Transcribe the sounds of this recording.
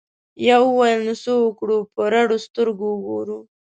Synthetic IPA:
jawəwajəlnosoəkɽupəɾaɽost̪əɾɡoəɡoɾu

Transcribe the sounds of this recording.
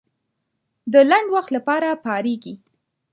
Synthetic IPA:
d̪əlaɳɖwaxt̪lapɑɾapɑɾeɡi

